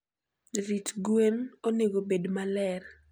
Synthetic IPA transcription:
ɾitɡwenoneɡobedmalɛr

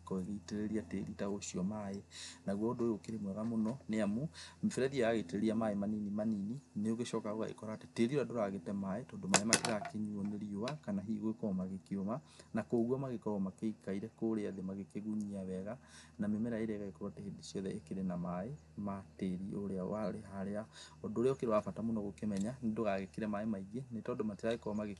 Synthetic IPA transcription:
kɔeɣeiteɾeɾiatḛɾitaoʃiɔmaenaɣwɔondookeɾemwɛɣamonɔneamumefɛɾɛðiajaɣeiteɾeɾiamaemaninimaninineoɣeʃɔːkaɣoa̰ḛkɔɾaːte̥teɾioɾadoɾaɣetɛmaetɔːndomaemakeɣakeɲuoneɾioakanaɦiɣwekɔmaɣekeoma | nakoːɣwamaɣekɔɣɔmakeikaiɾɛkoɾeaðemaɣekeɣuɲiaβɛɣanamemɛɾaeɾɛɣaɣekɔɾotehedisiɔðɛʔekeɾenamae | mateɾioɾeawaɾeɦaɾeaɔndoːɾeɔkeɾewafatamonɔɣokemɛɲandoɣaɣekeɾɛmaemaiɣenetɔːndomateɾaɣekɔɔmaɣe

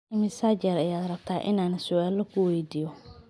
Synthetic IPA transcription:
ɪmɪsaːt͡ʃɛɾɐjaːd̪rɐb̚t̪ʰaːʔɪ̰naːnɐsʊʔaːlɔkʰʊwɛjd̪iːjɔ

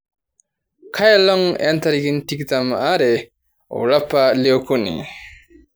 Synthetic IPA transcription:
kʰajalɔŋḛnt̪ʰaɾɡintikt̪amaɾe | ṵɾapːalewkʰunḭ

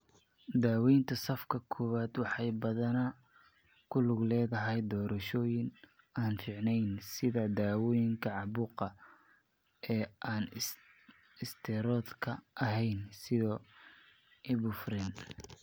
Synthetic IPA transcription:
d̪aːwɛjnt̪ʰɐsɐfkʰɐkʰɔːwaːd̪wɑħɑjbɐðɐnɐ | kʰʊlʊɡlɛːðɐɦɛjd̪ɔːɾɐʃɔːjɪn | aːnfɪʕnɛjnsɪðɐd̪aːwɔːjɪŋkʰɐʕɑβuːqɐ | ɛːʔaːn | ɪst̪ʰɛɾɔːd̪kʰɐʔɐɦɛjnsɪðɔː | ʔɪβʊfrɛn

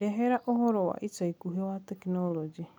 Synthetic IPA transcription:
eɦeɾaʔoɦoɾowa̰ʔit͡ʃaikuɦiwat̪eknolod͡ʒi

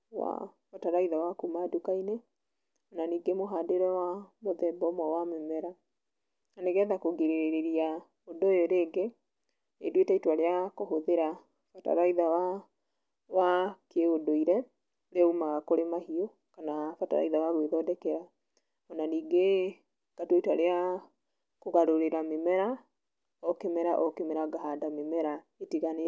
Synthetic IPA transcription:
wa̰fataɾaiðawakumadukaine | ɔnaniːɡemoɦaːdeɾɛwamoðɛbɔmwawamɛmɛɾa | naneɣɛðakoɡeɾeɾeɾeɾia | odojoɾeːɡe | edwetɛitwaɾeakoɦoðeɾa | fata̰ɾaiðawa | wakeodoiɾɛ | ɾeaumaɣakoɾemahio | kanafata̰ɾa̰iðawaɣweðɔdɛkɛɾa | ɔnaniːɡe | ɡ̥atwoitaɾea | koɣaɾoɾeɾamemɛɾa | ɔkemɛɾaʔɔkemɛɾaɡaɦadamemɛɾa | etiɣane

